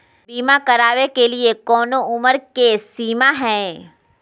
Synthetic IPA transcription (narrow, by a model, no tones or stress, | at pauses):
biːmãkəɾaːʋekeliekɔːnoʊməɾkesiːmaɦɛ̃